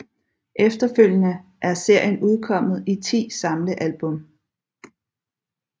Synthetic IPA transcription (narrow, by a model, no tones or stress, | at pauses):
ʔefd̥ɐføl̰jənəʔæɐse̝ɐ̰jənuð̞ˠkʰɒ̽m̰ð̩ˠit͡sʰḭːsɑ̈mləʔælb̥ɔ̽m